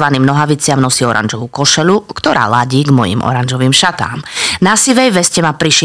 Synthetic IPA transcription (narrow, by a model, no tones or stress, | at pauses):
ʋaniːmnɔɦaʋit͡sɪamnɔsiːɔɾʔa̰nʒɔʋukɔʃɛlukt̪ɔɾa̰ːlaɟiːɡmɔjḭmɔ̰ɾand͡ʒɔʋiːmʃat̪a̰ːmnasiʋɛjʋɛscɛmapɾiʃ